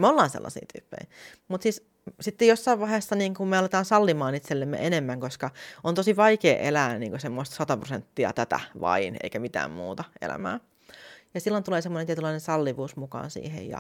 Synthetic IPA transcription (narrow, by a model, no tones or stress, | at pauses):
meolːɑːnsḛlːʔɑ̰sḭːt̪y̰ːpːḛj | mut̪siːs | sit̪ːejosːɑiʋʋɑhesːɑniːŋkummeɑlet̪ɑːnsɑlːimɑːnit̪selːemːḛʔenemːæŋkoskɑont̪osiʋɑikeːʔelæːniːŋkosemːost̪sɑt̪ɑprosent̪ːiɑ̰t̪æt̪æ̰ʋɑ̰inḛikæmit̪æ̰ːmmṵːt̪ɑʔḛlæ̰mæ̰ː | jɑsilːont̪uleːsemːoneniet̪ylɑinensɑlːiʋuːsmukɑ̰ːnsḭːhḛjjɑ̰